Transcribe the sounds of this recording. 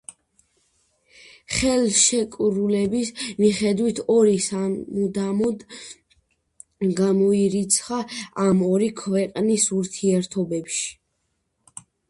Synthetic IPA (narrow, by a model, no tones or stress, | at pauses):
χɛlˠʃɛkʼɾulɛbismiχɛd̪wit̪ʰɔɾisamud̪amɔd̪ | ɡamɔiɾit̪sʰχaamɔɾikʰvɛqʼnisuɾt̪ʰiɛɾt̪ʰɔbɛpʃi̥